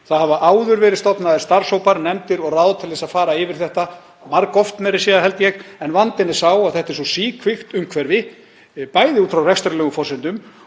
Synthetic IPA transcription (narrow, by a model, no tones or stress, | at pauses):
θaðhavaʔaːwðʏɾvɛːɾɪðst̪ɔpnaðɛɾ̥st̪ar̥soːwpaɾnɛmt̪ɪɾɔɣrawðt̪ʰɪlvɛsaðfaːɾaɪvɪɾ̥θɛht̪a | maɾkɔft̪mɛɾɪsjiːðaɦɛlt̪jɛɣɛnvant̪ɪnːɛ̥sawaðθɛht̪ɛɾsɔsiːkʰvɪxt̪ʏmkʰvɛɾvɪ | paːjðɪuːt̪fɾawrɛxst̪ɛɾlɛːɣʏfɔr̥sɪnt̪ʏm